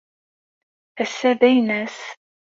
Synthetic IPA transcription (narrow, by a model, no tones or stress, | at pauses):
æsːæðæjnæs